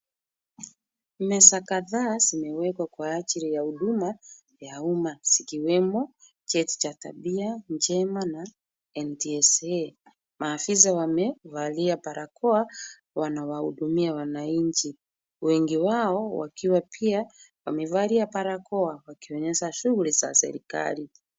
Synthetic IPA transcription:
mɛsakaðaːzimɛwɛkwakwaːt͡ʃiɾijahuɗuma | jaumaz̥ikiwɛmɔ | t͡ʃɛti̥t͡ʃata̰ɓiand͡ʒɛmana | ɛntiɛsɛ | maːfis̬awamɛvaliapaɾakɔa | wanawahṵɗumiawanaiɲt͡ʃi | wɛŋɡiwaɔwa̰kiwapʰiawamɛvaliapaɾakɔawakiɔɲɛʃaʃuɣuliza̰sɛ̰ɾika̰li

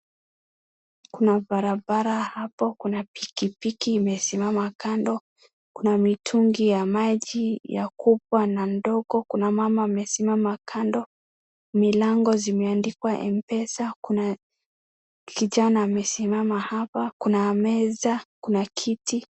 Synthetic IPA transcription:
kunabaɾabaɾahapɔkunapikipikiːmɛsimamakandɔ | kunamitʰuŋɡijamaʄijakupwanandɔɡɔkunamamaːmɛsimamakʰandɔ | milaŋɡɔzimɛandikwaʔɛ̰mpɛsakuna | kiʄanaːmɛsimamahapakunamɛzakunakʰiti

